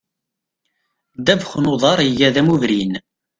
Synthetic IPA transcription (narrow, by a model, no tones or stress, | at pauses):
d̪ævxnoðˤɑɾˤəjæðæmuvɾin